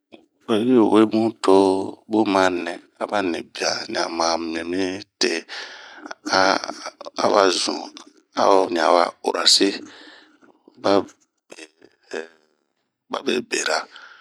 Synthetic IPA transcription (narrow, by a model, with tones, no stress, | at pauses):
e˨ji˦˨we˦mũ˦tʰo˦bu˦mã˨˦nɛ̃˨ | a˨ba˦nĩ˨bi˨a˨ɲ˨a̰˨mã˨mĩ˨ẽ˨mĩ˦te˦ | a˦ | a̰˦ba˦zṵ̃˨ | a̰˦ɲ˨a˨wa˨o̰˨ɾʔa˨se˦ | ba˦ | be˨ | ba̰˦be˨be˨ɾa˨